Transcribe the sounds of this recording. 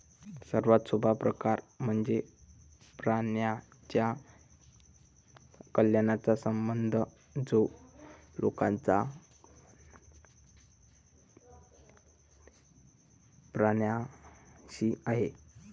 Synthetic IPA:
səɾʋat̪subʱapɾəkaɾm̤əɳd͡ze | pɾaɳja | t͡ɕja | kəljanat͡sasəmbənd̪ʱə | d͡zo | lo̰kãnt͡sa | pɾaɳja | ɕiaɦe

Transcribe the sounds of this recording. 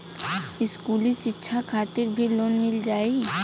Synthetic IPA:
ɪskulit͡ʃɪtːʃʰakʰaːt̪iɾbʱiɾlonmɪld͡ʒaːe

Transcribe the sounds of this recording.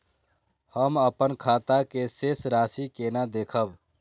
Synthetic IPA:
həməpənkʰat̪akesesɾasikenad̪ekʰəb

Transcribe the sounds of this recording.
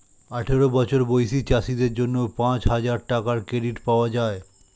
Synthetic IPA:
aʈʰeɾobɔt͡ɕʰoɾbojʃit͡ɕaʃid̪eɾd͡ʑonːopãt͡ɕɦad͡ʑaɾʈakaɾkɾeɖiʈpaoad͡ʑae

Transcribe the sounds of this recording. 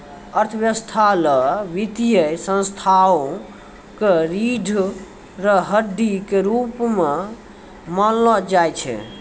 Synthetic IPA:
əɾt̪ʰəʋjəst̪ʰaləʋit̪ijəsə̃nst̪ʰaõ | keɾiɖʱ | ɾəɦəd̪ikeɾupme | məllɔd͡ʒajt͡ʃʰɛ̰

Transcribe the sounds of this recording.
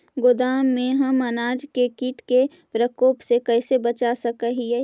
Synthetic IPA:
ɡʊd̪aːmːẽɦɐmɐnaːd͡ʒkekiːʈke | pɾəkoːpsekɛɪsebɐt͡ʃasɐkəɦiɛː

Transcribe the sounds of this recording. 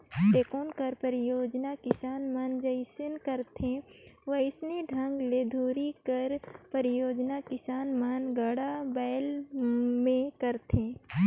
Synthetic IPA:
t̪eːkoːnkəɾpəɾɪjoːd͡ʒnakɪsaːnmand͡ʒɐɪsɪnkəɾt̪ʰẽʋəɪsneɖʱɐ̃ŋɡled̪ʱuːɾikəɾpəɾɪjoːd͡ʒnakɪsaːnmanɡəɽabɛːl | mẽkəɾt̪ʰẽː

